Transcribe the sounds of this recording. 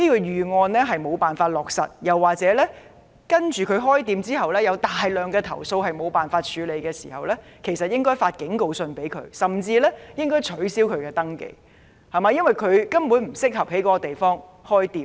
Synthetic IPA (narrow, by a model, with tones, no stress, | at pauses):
niː˥kɔ˧jyː˨˩ŋɔː˧nlɛː˥ɦɐ˨jmo˨˧wpaː˨nfaː˧t̚lɔː˨k̚sɐ̰˨t̚jɐ˨˩wːaː˨t͡sɛː˨˥lɛː˥ | kɐ˥nt͡ʃyː˨kʰɵ˨˧ɥɦɔː˥jt̪iː˧mt͡siː˥ɦɐ˨wlɛː˥jɐ˨˧wt̪aː˨jlœː˨ŋkɛː˧t̪ʰɐ̰˨˩wso˧whɐ˨jmo˨˧wpaː˨˩nfaː˧t̚t͡ʃʰyː˨˧le˨˧jkɛː˧sḭː˨˩hɐ̰˨wlɛː˥kʰe˨˩jsɐ˨t̚jɪ˥ŋkɔː˥jfaː˧t̚kɪ˨˥ŋko˨˧wsɵ˧npe˨˥jkʰɵ̰˨˧ɥsɐ˨˩mt͡siː˧lɛː˥jɪ˥ŋkɔː˥jt͡ʃʰɵ˨˥ɥsiː˥wkʰɵ˨˧ɥkɛː˧t̪ɐ˥ŋkḛ˧˩j | hɐ˨˩maː˨˧jɐ˥nwɐ˨˩jkʰɵ˨˧ɥkɐ˥mpuː˨˥nm̩˨˩sɪ˥k̚hɐ˨˩p̚he˨˥jkɔ˨˥kɔ˧t̪e˨jfɔː˥ŋ | hɔː˥jt̪iː˧